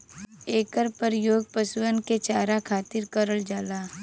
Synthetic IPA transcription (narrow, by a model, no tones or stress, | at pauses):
eːkəɾpəɾjoːɡ̚pəsʊənket͡ʃaːɾakʰaːt̪ɪɾkəɾəld͡ʒaːlaː